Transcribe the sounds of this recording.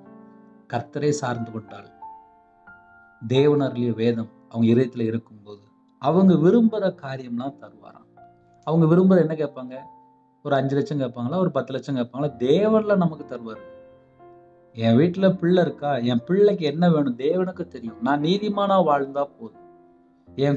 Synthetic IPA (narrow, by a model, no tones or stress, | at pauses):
kɐɾt̪ːɐɾɐɪsaːɾnd̪ɯkɔɳʈːa̰ːɭ | d̪eːʋɐnɐɾɪlɪjɐʋeːðɐm | ɐʋɐŋɡɐɪɾɯjɐt̪ːɪlɐɪɾɯkːɯmpoːðɯ | ɐʋɐŋɡɐʋɪɾɯmbɯɾɐkaːɾɪjɐmlãːt̪ɐɾɯʋa̰ːɾã̰ː | ɐʋɐŋɡɐʋɪɾɯmbɯɾɐɛnːɐkeːʈpaːŋɡɐ | ɔɾɯɐɲd͡ʒɯlɐt͡ʃːɐ̃ŋkeːʈpaːŋɡɐɭaːɔɾɯpɐt̪ːɯlɐt͡ʃːɐ̃ŋkeːʈpːaːŋɡɐlaːd̪eːʋɐnlãːnɐmɐkːɯt̪ɐɾɯʋaːɾɯ | ɛ̃ːʋiːʈːɪlɐpɪɭːɐɪɾɯkːaːɛ̃ːpɪɭːɐk̬ːɯɛnːɐʋeːɳʊ̃d̪eːʋɐnɯkːɯt̪ɛɾɪjʊ̃nãːniːðɪmaːnaːʋaːɻnd̪ãːpoːðɯ | ɛ̃ː